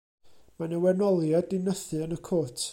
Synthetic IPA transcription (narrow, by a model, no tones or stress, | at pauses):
manəwɛnɔlˠjadɪnəθɨənəkʰoːtʰ